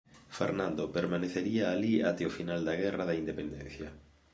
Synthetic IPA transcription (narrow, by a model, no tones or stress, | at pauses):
fḛɾnãnd̪opeɾmaneθeɾiaːlia̰t̪eofinald̪aɣ̞ɛraðaind̪epend̪en̟θja